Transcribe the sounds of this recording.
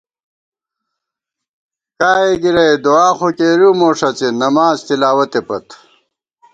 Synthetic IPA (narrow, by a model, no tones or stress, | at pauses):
kaːeɡiɾɐjd̪oaːxokeːɾumoːʂɐt͡senɐmaːzt̪ilaːwɐt̪epɐt̪